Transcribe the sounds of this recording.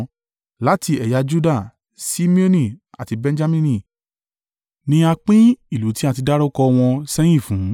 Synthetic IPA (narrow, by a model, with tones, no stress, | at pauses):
la˨˦ti˧ɛ˨ja˧˦d͡ʒu˦da˦˨ | si˦mĩ˦o˦nĩ˦˨a̰˨ti˧bɛ̃˧n˦d͡ʒa˦mĩ˧nĩ˦˨ | nĩ˧a˧k͡pĩ˦i˦˨lu˨˦ti˦a˧ti˧da˦ɾo˦kɔ˧w̃ɔ̃˧sɛ˦j̃ĩ˦˨fũ˨˦